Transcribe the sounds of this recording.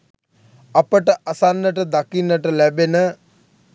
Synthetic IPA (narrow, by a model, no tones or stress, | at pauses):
apəʈəʔasanːəʈəd̪akinːəʈəlæbenə